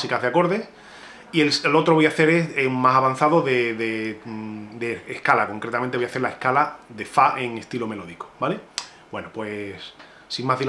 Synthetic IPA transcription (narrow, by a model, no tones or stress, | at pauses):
sikaɦðako̞ɾðe̞s | ielslo̞t̪ɾoojaθe̞ɾe̞semasaβan̟θaðo̞ðeðe | d̪eːhkalako̞ŋkɾet̪amẽnt̪eojaθe̞ɾlaehkalaðe̞faʔe̞ŋe̞st̪ilo̞me̞lo̞ðiko̥bale | bwe̞nopwe̞s | siŋmaɦði